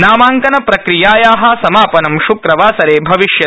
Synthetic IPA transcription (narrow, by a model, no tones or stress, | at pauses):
naːmaːŋkɐnɐpɾɐkɾijaːjaːɦɐ̆sɐmaːpɐnɐmʃukɾɐʋaːsɐɾeːbʱɐʋiʃjɐ